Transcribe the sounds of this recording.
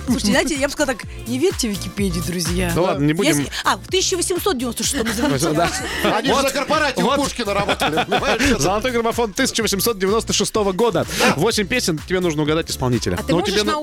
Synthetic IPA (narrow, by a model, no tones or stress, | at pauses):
sˠuʂɨtʲɪzaɪtʲɪjabɨskɐzlˠt̪ak | nʲɪvʲeɾʲtʲɪvʲɪkʲɪpʲedʲɪjʊd̪ɾʊzʲjanʊlˠad̪nənʲɪbuɪmaft̪ɨsʲɪt͡ɕːəɪvəsʲɪmsot̪̚dʲɪvʲɪnost̪əʂɨst̪oməzəd̪aanʲiot̪zəkərpɐɾatʲːvot̪uʂkʲɪnəɾɐbot̪lʲɪɪvavzəlˠɐt̪o̞jɡɾəmɐfo̞nt̪ɨsʲɪ̥t͡ɕɪvəsʲɪmso̞t̪̚dʲɪvʲɪnost̪əʂɨst̪o̞vəɡo̞d̪əvo̞sʲɪmʲpʲesʲɪntʲɪbʲenuʐnəʊɡɐd̪atʲɪspɐlˠnʲitʲɪlʲə̰t̪ɨoɪben